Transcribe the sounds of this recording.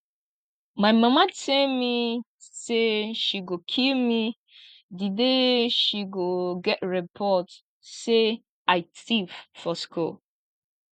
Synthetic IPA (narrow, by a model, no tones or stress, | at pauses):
maɪmamatʰelmi | seʃiɡokʰilmi | dideʃiɡoɡɛtɹipʰɔt | se | aɪtiffɔskʰṵl